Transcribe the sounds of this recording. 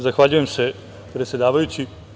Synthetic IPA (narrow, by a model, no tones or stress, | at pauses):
zaxʋaʎujemse̞ | pɾe̞t̪sʲje̞d̪aːʋajut͡ɕi